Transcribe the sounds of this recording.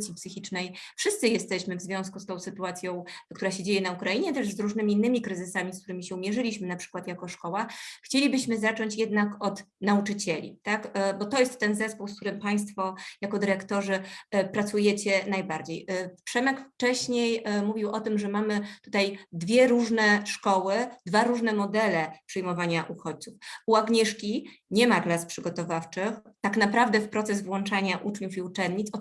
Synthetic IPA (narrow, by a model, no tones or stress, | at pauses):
t̪sʲipsɘxʲit͡ʂnɛjfʂɘst̪sɘjɛst̪ɛɕmɘvzvʲjɔ̃w̃skust̪ɔ̃w̃sɘt̪uat̪sʲjɔ̃w̃kt̪uɾaɕed͡ʑejɛnaukɾajiɲɛt̪ɛʐzɾuʐnɘmʲiːnːɘmʲikɾɘzɘsamʲisk̚t̪uɾɘmʲiɕɛumʲjɛʐɘlʲiɕmɘnapʂɘ̥kwat̪jakɔʂkɔwaxt͡ɕelʲibɘɕmɘzat͡ʂɔɲt͡ɕjɛd̪nakɔt̪naut͡ʂɘt͡ɕɛlʲḭt̪akbɔt̪ɔjɛst̪ːɛnzɛspuwskt̪uɾɘmpaj̃st̪fɔjakɔd̪ɘɾɛkt̪ɔʐɘpɾat̪sujɛt͡ɕɛnajbaɾd͡ʑejfpʂɛmɛkft͡ʂɛɕɲejmuvʲiwʔɔt̪ɘmʐɛmamɘt̪u̥t̪ajd̪vʲjɛɾuʐnɛʂkɔwɘd̪vaɾuʐnɛmɔd̪ɛlɛpʂɛjmɔvaɲaʔuxɔt͡ɕ̚t̪sufuaɡɲɛʂkʲi | ɲɛmaklaspʂɘɡɔt̪ɔvaft͡ʂɘxt̪aknapɾavd̪ɛfpɾɔt̪sɛzvwɔnt͡ʂaɲaʔut͡ʂɲufiut͡ʂɛnd̪ɲit̪sɔ